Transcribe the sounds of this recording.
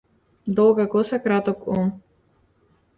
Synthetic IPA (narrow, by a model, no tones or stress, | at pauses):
d̪ɔlˠɡakɔsakɾat̪ɔkɔm